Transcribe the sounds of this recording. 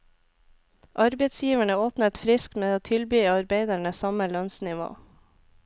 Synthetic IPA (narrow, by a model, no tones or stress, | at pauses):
ʔɑɾbeɪt̪sjiːʋæɳəoːpnət̪fɾɪskmeːoːt̪ʰɪlbyːɑɾbeɪd̪æɳəsɑməlœnsnɪʋo̰ː